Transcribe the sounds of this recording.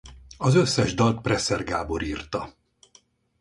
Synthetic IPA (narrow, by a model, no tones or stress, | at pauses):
ɒzø̞sːɛʒd̪ɒlt̪̚prɛsɛrɡaːbo̞ɾiːrt̪ɒ